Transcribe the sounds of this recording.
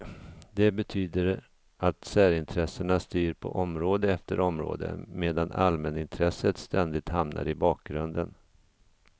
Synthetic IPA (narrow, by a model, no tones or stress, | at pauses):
d̪ɛbɛt̪ʰyːd̪əɾ | ʔat̪sæːɾɪnt̪ʰɾɛsəɳast̪yːɾpʰɔ̰ʔɔmɾoːd̪əɛft̪əɾɔmɾo̰ːd̪ə̰meːd̪ana̰lmɛnɪnt̪ʰɾɛsət̪st̪ɛnd̪ɪt̪hamnʔa̰ɾɪbɑːk̚ɡɾɵnd̪ən